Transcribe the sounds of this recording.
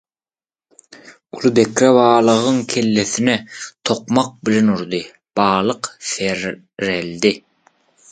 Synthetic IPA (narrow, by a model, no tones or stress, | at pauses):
ulˠɯbe̞kɾeβɑːlˠɯʁɯŋkʲʰe̞lːeθinet̪ʰo̞qmɑq̚bilenuɾd̪ɯ | b̥ɑːlˠɯqθeɾ | ɾeld̪i